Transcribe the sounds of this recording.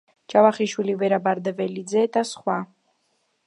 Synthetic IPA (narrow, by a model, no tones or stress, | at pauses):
d͡ʒavaχiʃwilivɛɾabaɾd̪ɛvɛlid̪zɛd̪asχwa